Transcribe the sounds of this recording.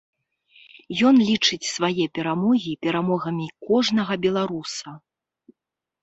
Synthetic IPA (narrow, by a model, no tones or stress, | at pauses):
jɔnlʲit͡ʂɨt͡sʲsvajɛpʲɛɾamɔɣʲipʲɛɾamɔɣɐmʲikɔʐnɐɣɐbʲɛlˠaɾusɐ